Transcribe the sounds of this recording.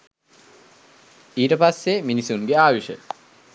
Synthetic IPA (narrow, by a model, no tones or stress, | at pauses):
iːʈəpasːeminisunɡeaːʋiʃə̰